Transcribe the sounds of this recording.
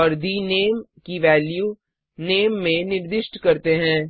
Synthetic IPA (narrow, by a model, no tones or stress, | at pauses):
ɐɾd̪ineːmkiʋɛːlju | neːmːẽnɪɾd̪ɪʃʈkɐɾt̪eɦɛ̃ː